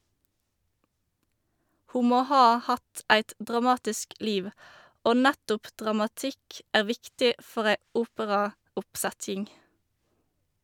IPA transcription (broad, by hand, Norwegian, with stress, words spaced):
ˈhuː ˈmoː ˈhɑː ˈhɑt ˈæɪt dʁɑˈmɑːtɪsk ˈliːʋ ˈoː ˈnætʊp dʁɑmɑˈtɪk ˈæːʁ ˈʋɪktɪ ˈfɔʁ ˈæɪ ˈuːpəʁɑʊpˌsætjɪŋ